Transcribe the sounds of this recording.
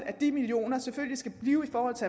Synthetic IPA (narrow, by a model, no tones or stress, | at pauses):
æd̥imilio̝̰ːnɐseføl̰lisɡ̥æb̥liːʊifɒːhɒ̽l̰t͡sʰe̝æ